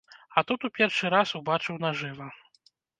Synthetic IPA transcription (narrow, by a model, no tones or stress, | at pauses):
ɐt̪ut̪upʲɛrʂɨɾasubat͡ʂɨwnaʐɨvɐ